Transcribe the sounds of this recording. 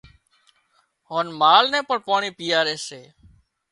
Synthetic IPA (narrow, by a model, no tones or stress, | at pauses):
hoːnmaːlnɛ̃ːpəɳpaːɳiːpiːaːɾeːseː